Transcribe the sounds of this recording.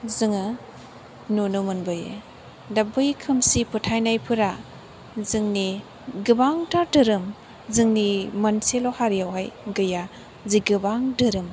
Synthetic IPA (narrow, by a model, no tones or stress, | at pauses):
zɯŋɯ | nunumɯnbɯjḛ | dabɯjkʰɯmsipʰɯtʰajnajpʰɯɾa | zɯŋni | ɡɯbaŋtʰadɯɾɯm | zɯŋnimɐnselɔhaɾijawɦajɡɯja | ziɡɯbaŋdɯɾɯm